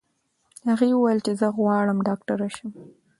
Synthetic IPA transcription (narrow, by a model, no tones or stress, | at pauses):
haɣewəwajəlt͡ʃezəɣwɑɽəmɖɑkʈaɾaʃəm